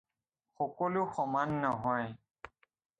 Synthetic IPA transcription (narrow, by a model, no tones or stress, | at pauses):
xɔkɔlʊxɔmanːɔɦɔj